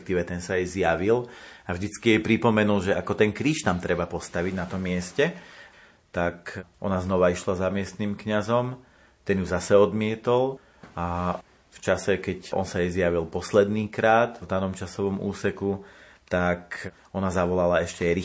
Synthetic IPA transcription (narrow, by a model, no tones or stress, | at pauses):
k̚t̪iːʋɛt̪ɛnsajɛzjaʋilavʒd̪it͡skijɛjɛpɾipɔmɛnulʒɛʔakɔt̪ɛnkɾiːʃt̪amt̪ɾɛbapɔst̪aʋiɟnat̪ɔmːɪɛscɛ | t̪akʔɔnaznɔʋaiʃlazamɪɛst̪niːmkɲazɔm | t̪ɛnjuzasɛɔd̪mɪɛt̪ɔl | a | ft͡ʃasɛkɛcʔɔ̰nsajɛzjaʋilpɔslɛd̪niːkɾaːt̪vd̪anɔmt͡ʃasɔʋɔmṵːsɛku | t̪ak | ɔnazaʋɔlalaɛʃcɛɛjɾi